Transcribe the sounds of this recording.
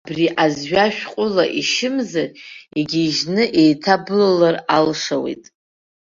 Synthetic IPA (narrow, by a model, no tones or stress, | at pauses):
briʔazɥaʃᶣqʷʼʊlaʔiʃɪmzareɡʲiʒnɨʔejtʰabɨlalaralʂawḛjtʼ